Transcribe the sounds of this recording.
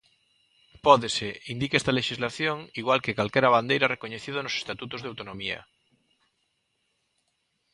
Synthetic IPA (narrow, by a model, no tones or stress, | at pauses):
pɔðeseind̪ikest̪aleʃizlaθjoŋiɣwalkekalkɛɾaβand̪ejɾarekoɲeθiðonose̥st̪at̪ut̪ozðawt̪onõmiɐ̰